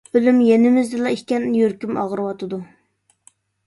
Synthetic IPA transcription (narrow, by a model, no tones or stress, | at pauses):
ølymjɛnɪmɪzd̪ɨlˠɑikʲɛnjøɾkʲymɑ̰ʁəɾɨwɑt̪ʰɨd̪u